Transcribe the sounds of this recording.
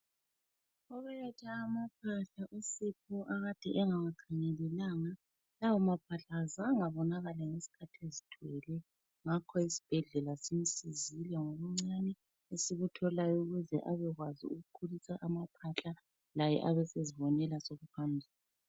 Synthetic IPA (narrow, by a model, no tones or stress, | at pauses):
ɔβɛlɛtʰaːmapʰaɬaʔusipʰuʔaɣad̥ʱɛʔɛŋawakʰaŋɛlɛlaŋa | lawɔmapʰaɬaːzaŋaβɔnaɣalaŋesi̥kʰatʰiezi̥d̥ʰʱwɛlɛ | ŋakʰɔisi̥b̥ʱɛɮɛlasim̩sizilɛŋoβuŋ͡ǀanɛ | esiɣutʰɔlajɔuɣuzɛʔaβɛɣwaziuɣukʰulisaʔamapʰaɬa | lajɛ̰ʔaβɛseziβɔnɛlasoɣupʰambʱiːla